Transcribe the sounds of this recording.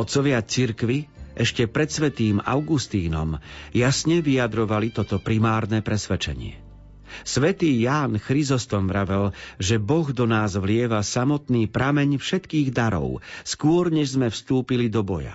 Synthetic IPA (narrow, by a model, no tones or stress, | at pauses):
ɔt̪t͡sɔʋɪat͡siɾkʋiɛʃcɛpɾɛt̪sʋɛt̪iːma̰ʊɡust̪iːnɔ̰mjasɲɛʋijad̪ɾɔʋalit̪ɔt̪ɔpɾimaːɾnɛpɾɛsʋɛt͡ʃɛ̰ɲɪɛ̰ | sʋɛt̪iːjaːnxɾizɔst̪ɔmvɾaʋɛlʒɛbɔɣd̪ɔnaːzʋlɪɛʋasamɔt̪niːpɾamɛɲfʃɛt̪kiːɣd̪aɾɔ̰ʊskʊɔɾɲɛʒzmɛfst̪uːpilid̪ɔbɔja̰